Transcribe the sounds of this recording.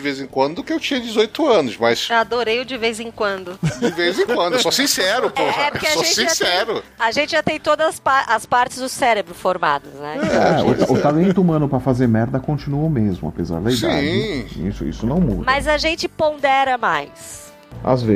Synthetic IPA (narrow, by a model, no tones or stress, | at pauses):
d͡ʒɪvezẽkwɐ̃nd̪ʊkɪewt͡ʃĩɲɐd͡ʒɪzojt̪ʊɐ̃nʊzmɐsad̪oɾejʊd͡ʒɪvejzẽŋkwɐ̃nd̪ʊd͡ʒɪvejzẽŋkwɐ̃d̪ʊɛsosĩsɛɾʊpoɛpʊʊkɪaʒoẽsĩsɛɾʊaʒẽnt͡ʃɪʒat̪ẽj̃t̪od̪ɐzspaʔɐspaɾt͡ʃɪzd̪ʊsɛɾebɾʊfoɾma̰d̪ɐznɛ̰ɛʊ̰aʊt̪alẽnt̪ʊumɐ̃nʊpɾɐfazeɾmɛɾd̪ɐkõt͡ʃinuomezmʊa̰peza̰ɾd̪ɐid̪ã̰d͡ʒɪḭsʊḭsʊnɐ̃w̃mṵdmɐzɐʒẽnt͡ʃɪpõd̪ɛɾɐmajs | a̰zve